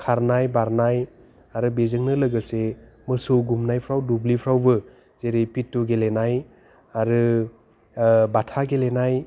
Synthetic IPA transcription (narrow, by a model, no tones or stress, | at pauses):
kʰaɾnajbaɾnaj | aɾɯbezɯŋnɯlɯɡɯsemɯsowɡumnajpʰɾawdublipʰɾawbɯ | zeɾipitːuɡelenaj | aɾɯ | batʰaɡelenaj